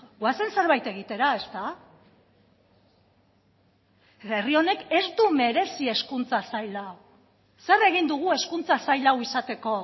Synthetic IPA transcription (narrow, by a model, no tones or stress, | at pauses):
ɡwase̞nse̞ɾβajt̪e̞ɣ̞it̪e̞ɾae̞st̪a | erio̞ne̞ke̞zd̪ume̞ɾe̞sie̞skunt͡sasajlaw | se̞re̞ɣind̪uɣ̞ue̞skunt͡sasajlawisat̪e̞ko̞